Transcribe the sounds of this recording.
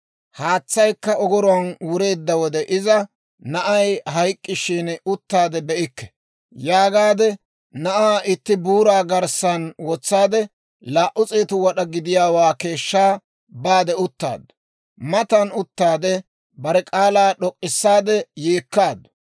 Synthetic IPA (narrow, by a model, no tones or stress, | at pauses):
haːt͡sːɐjkːɐɔɡɔɾʊɐnwʊɾe̞ːd̪ːɐwɔd̪ɛʔɪzɐ | nɐʔɐjɦɐjkʼːɪʃiːnʊt̪ːaːd̪ɛbɛʔɪkːɛ̥ | jaːɡaːd̪ɛ | nɐʔaːɪt̪ːɪbuːɾaːɡɐɾsɐnwɔt͡sːaːd̪ɛ | laːʔʊt͡sʼeːt̪ʊwɐɗɐɡɪd̪ɪjaːwaːke̞ːʃːaː | baːd̪ɛʊt̪ːa̰ːd̪ʊ̥ | mɐt̪ɐnʊt̪ːaːd̪ɛ | bɐɾɛkʼaːlaːɗɔkʼːɪsːaːd̪ɛjeːkːaːd̪ʊ̥